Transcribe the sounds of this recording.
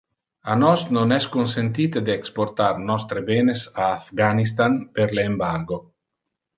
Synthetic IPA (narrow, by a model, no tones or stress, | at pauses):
anɔsnonɛskonsent̪iːt̪ed̪eːkspoɾt̪aɾnɔst̪ɾebenesaːfɡanis̬t̪anpeɾleːmbaɾɡo